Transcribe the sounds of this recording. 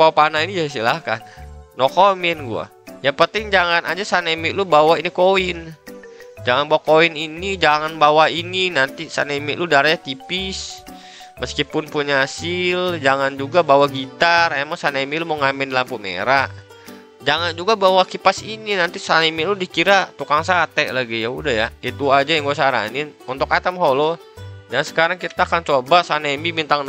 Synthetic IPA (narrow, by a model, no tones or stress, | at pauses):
papanainid͡ʒas̬ilahka̰nnɔkomɛnɡṵa̰ | japət̪ɪŋd͡ʒaŋanad͡ʒasanemiʔlubawainikoɪn | d͡ʒaŋanbawakoininid͡ʒaŋanbawaininant̪isa̰nemiʔludaɾajat̪ipis | məskipʊnpuɲaasɪld͡ʒaŋand͡ʒuɡabawaɡit̪arɛmaŋsanemiluməŋamɛndlampumḛɾaʔ | d͡ʒaŋand͡ʒuɡabawakipasininant̪isanemiludikiɾat̪ukaŋsat̪ɛʔlaɡijaudahjait̪uad͡ʒajaŋɡuasaɾa̰nɪnunt̪ʊkat̪amɦolɔ | d͡ʒansə̥kaɾaŋkit̪aːkant͡ʃobasanembibint̪aŋ